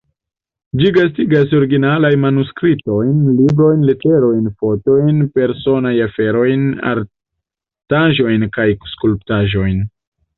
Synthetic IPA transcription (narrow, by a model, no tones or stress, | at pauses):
d͡ʒiɡastiɡas̬o̞ɾiɡinalajnmanuskɾito̞jnlibɾo̞jnlete̞ɾo̞jnfo̞to̞jnpe̞ɾso̞najafe̞ɾo̞jna̰ɾ | taʒo̞jnkajskulptaʒo̞jn